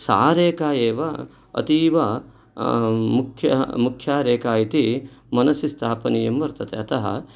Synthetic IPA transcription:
sa̰ːɾeːkaːjeːʋɐ | ɐ̰t̪iːʋɐ | mukʰjɐ̰mukʰjaːɾeːkaːjit̪imɐnɐsist̪ʰaːpɐnijɐmʋɐɾt̪ɐt̪ʰḛɐt̪ʰɐɦɐ̰

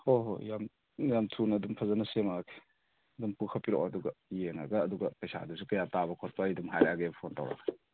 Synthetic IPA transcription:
hoɦo̰jam | jamtʰunɐdumpʰɐzanɐsemakʰe̥ | dumpukʰɐpiɾɔ̰ʔaduɡɐjeŋa̰ɡɐːduɡɐpɐjsa̰dusukɐjatabɐkʰɔt̚paidumɦajɾaaɡebpʰonta̰wɾa̰ɡɐ

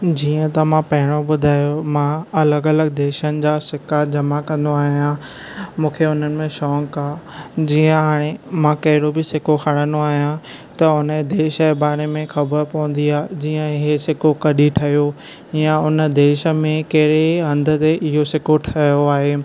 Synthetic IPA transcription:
d͡ʑiːə̃t̪ɐmãpɐɦɪɽ̃obʊd̪ʱaːjomãɐləɡɐləɡ̚d̪eːʃənɪ̆d͡ʑaːsɪkad͡ʑɐmakɐ̃nd̪oaːɦijã | mũːkʰeʊn̤ənɪ̆mẽʃɔːŋkaːd͡ʑiːə̃ɦaːɽ̃emãkɐɦɪɽobɪsɪkoxʰɐɽ̃ə̃nd̪oaːɦijã | t̪ɐʊnəd̪eːʃəbaːɽ̃emẽxɐbəɾpɐũnd̪iaːɦed͡ʑiːə̃ɦesɪkokɐɗiʈʰɐɦijo | ɪjãʊnə̆d̪eːʃə̆mẽkɐɦɪɾeɐ̃nd̪ʱə̆t̪eʔɪɦosɪkoʈʰɐjoaːɦeː

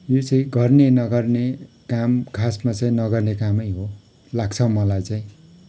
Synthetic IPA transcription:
jot͡sʌĩɡʌrnenʌɡʌrnekamkʰasmat͡saĩnʌɡʌrnekamʌjɦo | laɡt͡sʰʌmʌlajt͡sãĩ

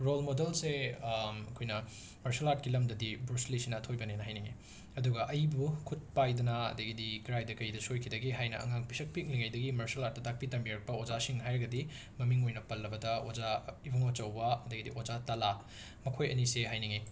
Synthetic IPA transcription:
ɾolmodelse | ɐkʰojnɐ | mɐɾselat̚kilɐmdɐdibɾuslisinɐːtʰojbɐnenɐɦajniŋḛ | ɐduɡɐʔɐjbukʰut̚pajdɐnɐɐ̰dɐɡidiɡɾajdɐkɐjdɐsojkʰidɐɡiɦajnɐ̰ɐ̰ŋaŋpisɐk̚pik̚liŋajdɐɡimɐɾsɐlat̚tɐtʰak̚pitɐmbiɾɐk̚pɐod͡ʒasiŋɦajɾɐɡɐdi | mɐmiŋojnɐpɐlːɐbɐdɐozaibɐŋot͡ʃɐwbɐɐdɐɡidḭʔod͡ʒatala | mɐkʰojɐniseɦajniŋe

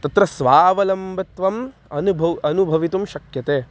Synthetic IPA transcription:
t̪ɐt̪ɾɐsʋaːʋɐlɐmbɐt̪ʋɐm | ɐnubʱɐʋɐnubʱɐʋit̪umʃɐkjɐt̪eː

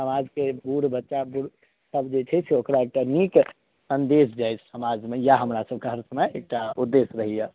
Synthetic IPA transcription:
səmaːd͡ʒkebuɾbətːʃabuɾ | səbd͡ʒet͡ʃʰɛsʰeokɾaek̚ʈanik | sə̃nd̪eːsd͡ʒaɪt͡ʃʰsəmad͡ʒmẽjaɦəmɾasəb̚ʱkaɦəɾsəməeːk̚ʈaʊd̪ːeːsɾəɦija

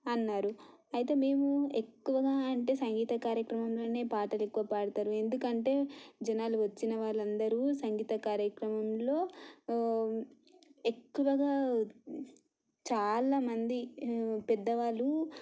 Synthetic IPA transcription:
ɐnːaːɾuɐjɐt̪e̞ːme̞ːmue̞kːuʋɐɡaːɐɳʈe̞ːsɐŋɡiːt̪ɐkaːɾjɐkɾɐmɐmlo̞ːne̞ːpaːʈɐle̞kːuʋɐpaːɽt̪aːɾue̞nd̪ukɐɳʈe̞ːd͡ʒɐnaːluʋɐt͡ʃːinɐʋaːɭːɐnd̪ɐɾusɐŋɡiːt̪ɐkaːɾjɐkɾɐmɐmlo̞ː | e̞kːuʋɐɡaː | t͡ʃaːlaːmɐnd̪ipɛd̪ːɐʋaːlːu

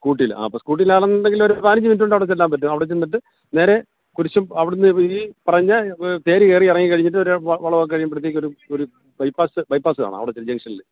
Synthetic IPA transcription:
kuːʈ̬ːila̰ːpɐskuːʈ̬ːilaːɭenːind̪eŋɡilo̞ɾupaːniɲːɐminduɳɖɐʋiɽet͡ɕːelːaːmpɐtːumɐʋiɽet͡ɕːenːiʈ̬ːɨ | ne̞ːɾe̞ | kuɾit͡ɕːumɐʋiɽunːɨipɐrɐɲːɐt̪e̞ːɾikeːriirɐŋːikɐɻiɲːiʈ̬ːɨo̞ɾʋɐɭɐʋokːkɐɻjumprɐt̪̬ːjeːkʲio̞ɾuoɾu | bɐjpaːsɨbɐjpːaːsɨa̰ːɳɨ̰ɐ̰ʋiɽet͡ɕːeld͡ʑɐŋʂɐnilːe

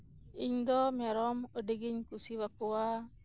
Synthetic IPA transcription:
iɲd̪ɔmɛɾɔmoɖiɡiɲkusiwakuwa

